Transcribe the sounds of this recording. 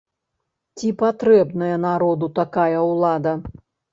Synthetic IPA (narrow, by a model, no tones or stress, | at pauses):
t͡sʲipat̪ɾɛbnɐjɐnaɾɔd̪ut̪akajɐwlˠad̪ɐ